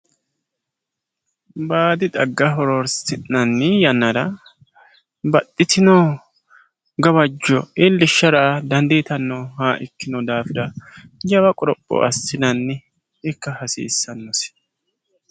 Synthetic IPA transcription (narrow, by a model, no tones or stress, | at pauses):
baːd̪ɪd̪ɐɡːɐɦɔɾɔɾsɪnːɐnːɛjɐnːɐɾɐ | bɐt̪ʼːɪt̪ʰɪnɔ | ɡɐbɐd͡ʒːɔɪlːɪʃːɐɾad̪ɐnd̪it̪ɐnːɔhaːʔɪkːɪnɔd̪aːfɪɾɐd͡ʒɐbɐkʼɔɾɔpʼːɔ̰ʔɐ̰sːɪnɐnːɛ | ɪkːɐhɐsḭːsːɐnːɔs